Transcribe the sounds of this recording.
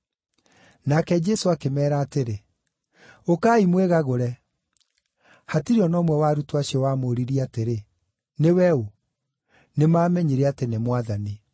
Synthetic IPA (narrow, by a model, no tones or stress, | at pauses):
nakɛd͡ʒɛsoakemɛːɾaːteɾe | okaːimweɣaɣoɾɛ | hatiɾiɔnɔmwɛwaːɾutwaɕiɔwamoːɾiɾiateɾe | newɛu | nemaːmɛɲeɾɛatenemwaðani